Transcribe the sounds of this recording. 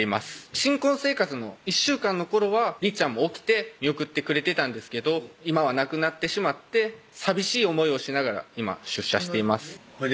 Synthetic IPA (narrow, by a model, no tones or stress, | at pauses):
ima̰sɨ̥ɕĩŋkõ̞ɰ̃se̞ːkat͡sɨno̞iɕːɨːkãnːo̞ko̞ɾo̞βaɾʲit͡ɕãmːo̞ːkʲi̥t̪e̞mʲio̞kɯ̟t̪ːe̞kɯ̟ɾe̞t̪e̞t̪ãnd̪e̞sɨ̥ke̞d̪o̞imaβ̞anakɯ̟nat̪ːe̞ɕimat̪ːe̞ | sabʲiɕiːo̞mo̞io̞ɕinaɡaɾa̰ima̰ɕɨɕːa̰ɕi̥t̪e̞imasɨ̥